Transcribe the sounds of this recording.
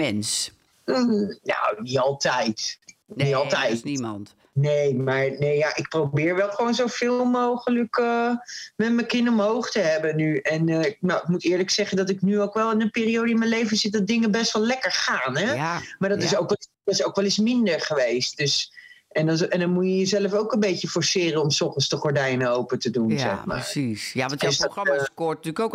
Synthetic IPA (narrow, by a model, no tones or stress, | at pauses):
ɛns̩ | no̰niɑlˠtɛjtniɑlˠtɛjtnt | nejmaːɹnejjaʔɪk̚probɪːɹʋɛlˠχəʋownzofɪːlˠmowχələkəmɛtməkɪnɔmɦowχtəɦɛbənyɛnɪk̚nowɪk̚mutɪːɹləksɛχəndɑtɪknyowkʋɛlˠɪnənpɪːrijowdəɪnməlejvəzɪt̚dɑt̚dɪŋənbɛstʋɛlˠlɛkəɹχaːnɦɛmaːɹdɔtɪsowkɛdɔtɪsowkʋɛlˠɪsmɪndəɹχəʋejst̚d̥øs | ʔɛndɛndɑnmujəjəzɛləfowkə̃nmbejcəfɔɹsɪːrənɔmsɔχəsdəχɔɹdɛjnəowpətədunzɛ̰χma̰ːɹisjadøsdotyːkok